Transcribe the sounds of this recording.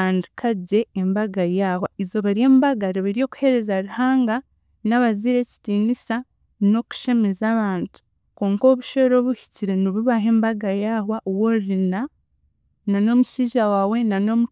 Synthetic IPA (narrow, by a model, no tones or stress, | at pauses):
andikʰaɟe̞ːmbaɡajawaizo̞βaɾieːmbaɡaɾeβiɾijo̞ːku̥he̞ɾe̞zaɾuhaːŋɡa | naβaziɾe̞ːci̥tiːnisa | no̞ku̥ʃe̞me̞zaːβaːntu̥ | ko̞ːŋko̞βuʃeɾo̞βuhi̥ciɾe̞niβuβaɦe̞ːmbaɡajaːhwaʔwoɾina | nano̞muʃiːʒawaːwe̞nano̞mu